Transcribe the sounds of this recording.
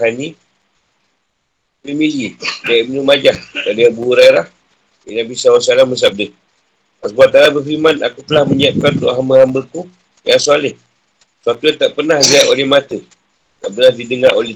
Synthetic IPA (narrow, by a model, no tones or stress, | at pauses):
ani | pimid͡ʒidaimənumad͡ʒahkadəbuuɾaiɾah | jənabisawasalaməs̬ap̚də | pasəbuaʔ̪̚alabəfimana̰kut̪əlahməɲiap̚kant̪o̰ʔɦaməhambəku | jaŋsualɪh | səwat̪ujaŋt̪aʔpərnahliaʔolɛhmat̪ə | t̪aʔpənahdidəŋaɾole